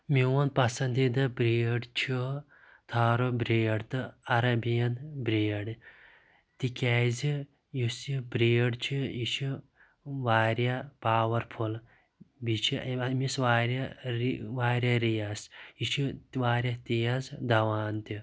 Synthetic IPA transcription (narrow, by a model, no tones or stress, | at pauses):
miwɐnpɐsɐnd̪id̪ɐbɾeːɖt͡ʃʰi | t̪ʰaːɾobɾeːɖt̪ɨɐɾɐbijɐnbɾeːɽ | t̪ikʲaːzi | jusibɾeːɖt͡ʃʰiit͡ʃʰi | ʋaːɾʲjapaːwɐɾpʰul | bit͡ʃʰimisʋaːɾa | ʋaːɾʲjaɾijasit͡ʃʰiʋaːɾjat̪ijazd̪ɐʋaːnt̪i